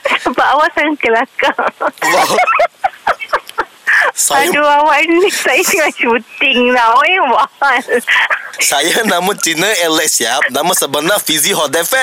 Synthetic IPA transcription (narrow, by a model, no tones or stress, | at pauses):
sapaʔawaʔsaŋakəlakawa | saaduawanisajasiŋaʃuut̪ɪŋlaawajawahal | sajanãmũnt͡ʃinəɛlɛk̚siap̚nãmãsəbənafiziɦɔdɛfɛ